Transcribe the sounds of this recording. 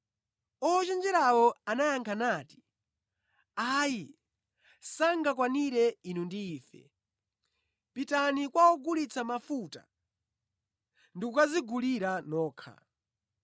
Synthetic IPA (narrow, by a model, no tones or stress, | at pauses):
ɔɔt͡ʃɛnd͡ʒɛɾawɔanajaŋkʰanaːti̥ | aːji | saŋɡakwaniɾɛinundiːfɛ̰ | pitanikwawɔɡulit͡sʰamafuta̰ | ndikukaziɡuliɾanɔːkʰa̰